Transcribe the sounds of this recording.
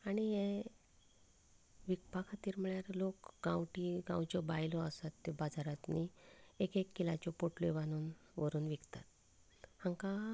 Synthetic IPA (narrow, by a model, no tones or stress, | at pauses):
aɽ̃ije | ʋikpakʰat̪iːɾm̤əɭjaɾlokɡãwʈiɡãwt͡ɕɔbajlɔəsat̪ːibad͡zaɾat̪niekekːilat͡ɕɔpoʈleʋañuːnʋəɾuːnʋikt̪at̪̚ | hãŋka